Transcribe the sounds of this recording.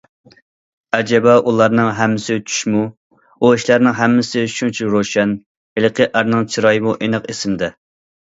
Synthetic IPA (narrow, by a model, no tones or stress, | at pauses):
ɛd͡ʒɛbɑʔulˠɑɾnɨŋɦɛmːɪsɪt͡ʃʰy̥ʃmu | uiʃlæɾnɨŋɦɛmːɪsɪʃunt͡ʃʰiɾoʃɛn | hɪlˠqʰəʔæɾnɨŋt͡ʃʰiɾɑjimuʔenɨqesɪmd̪ɛ